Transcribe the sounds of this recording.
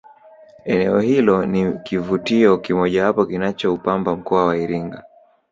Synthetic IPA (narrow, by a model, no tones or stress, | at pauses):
ɛnɛɔhilɔnikivutiɔkimɔʄahapɔkinat͡ʃɔupambam̩kɔawaiɾiŋɡa